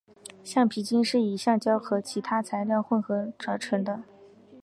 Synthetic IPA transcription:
ɕjɑ˥˩ŋpʰi˧˥t͡ɕi˥nʂɻ̩˥˩i˨˩ɕjɑ˥˧ŋt͡ɕjɑ˥ʊxɤ˧˥t͡ɕʰi˧˥t̪ʰa˥t͡sʰa˧˥ɪljɑ˥˧ʊxwə˥˩nxɤ˧˥ʈ͡ʂɤ˧˥ʈ͡ʂʰɤ˧˥ŋd̪ə˧

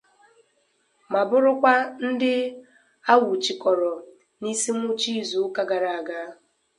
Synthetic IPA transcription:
ma˨bʊ˦ɾʊ˦kʷa˦n̩˦dɪ˦ | a˦wu˨t͡ʃi˨kɔ˨ɾɔ˨ | ni˦si˦mu˦t͡ʃi˦zu˨ʊ˦ka˦ɡa˨ɾa˨a˨ɡa˦

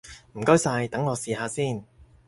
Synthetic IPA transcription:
m̩˨˩kɔ˥ɥsaː˧jt̪ɐ˨˥ŋːɔː˨˧siː˨˧ɦaː˨˧siː˥˩n

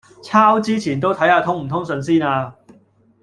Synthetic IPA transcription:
t͡sʰaː˥wt͡siː˥t͡ɕʰiː˨˩nt̪̬o˥wt̪ʰɐ˨˥jaː˧˩t̪ʰʊ˥ŋm̩˨˩t̪ʰʊ˥ŋsɵ˨˧ŋs̬iː˥naː˧

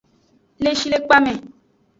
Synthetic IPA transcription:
le˦ʃi˦le˦k͡pa˦mẽ˨

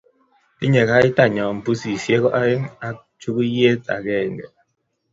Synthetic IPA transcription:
ti˦ɲɛ˨ka˦i˦ta˦˨ɲɔ˨m̩˨pu˦si˨sje˦kɔ˦ʔa˦ŋa˦ | t͡ʃʰu˦ku˦je˦t͡sa̰˨k̬ɛː˦˨ŋɡɛ̰˨

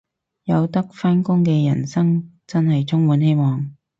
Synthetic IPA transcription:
jɐ˨˧wt̪ɐ˥k̚faː˥nkʊ˥ŋkɛː˧jɐ̰˨˩nsɐ˥ŋ | t͡sɐ˥nhɐ˨jt͡sʰʊ˥ŋwuː˨˥nhe˥jmɔː˨˩ŋ

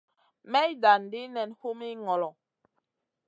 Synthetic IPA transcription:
mɛ˦jda˨n˨di˦nɛ˨nho˦mi˦ŋɔ˨lɔ˨

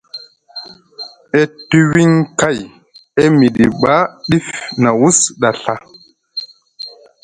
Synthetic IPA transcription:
ʔe˦tːu˦wi˦ŋka˦˨j | e˦mi˨ɗi˨ɓa˦ɗi˦fna˨wu˦sɗa˨ɬa˦

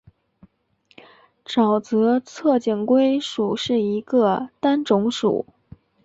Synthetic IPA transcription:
ʈ͡ʂɑ˨˩ʊt͡sɤ˧˥t͡sʰɤ˥˩t͡ɕi˨˩nkwe˥ɪʂu˨˩ʂɻ̩˥˩i˧˥ɡə˧t̪a˥nʈ͡ʂʊ˧˥ŋʂṵ˨˩˦

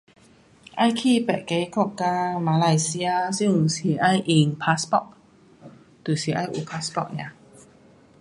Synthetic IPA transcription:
ʔã˥˧jkʰi˥˨pɛ̰˨ke˨˧˦kɔ˥˧˩ka˧mãː˧la˧˩jsi˧a˧si˥˧˨si˨˦ʔa˥˧˨jʔi˧˩ŋpʰa˧˥spɔ̰˧˨k̚ | t̪u˨˩si˨˦ʔa˥˧jʔu˨˧˩pʰa˧spɔ̰˧˩k̚nã̰˧˨

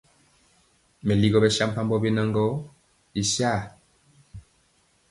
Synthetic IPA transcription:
mɛ˨li˦ɡɔ˦˨bɛ˦sa˦m̩˦pa˦mbɔ˦be˦na˦ŋɡɔ˦ | i˨sja˦˨

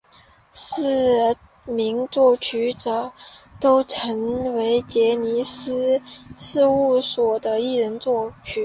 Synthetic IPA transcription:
s̩˥˩ | mi˧˥ŋt͡swɔ˥˩t͡ɕʰy˥ʈ͡ʂɤ˨˩t̪o˥ʊʈ͡ʂʰə˧˥ŋwe˧˥ɪt͡ɕjɛ˧˥ni˧˥sɹ̩˥ʂɻ̩˥˧u˥˩swɔ˨˩d̪ə˦i˥˩ɻə˧˥nt͡swɔ˥˩t͡ɕʰy˥

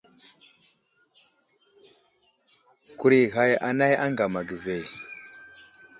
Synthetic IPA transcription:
ku˨ɾi˨ɣa˨ja̰˨na˦ja˦ŋɡa˨ma˨ɡə˨ve˨

